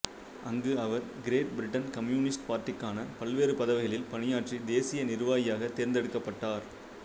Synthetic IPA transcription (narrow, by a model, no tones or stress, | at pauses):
ʔɐŋɡɯɐʋɐɾɡɪɾeːʈ̚bɪɾɪʈːɐnkɐmjuːnɪsʈpaːɾʈːɪkːaːnɐpɐɭʋeːɾɯpɐðɐʋɪɣɐɭɪlpɐɳɪjaːʈrid̪eːsɪjɐnɪɾɯʋaːjɪjaːɣɐt̪ːeːɾnd̪ɛɽɯkːɐpːɐʈːaːɾ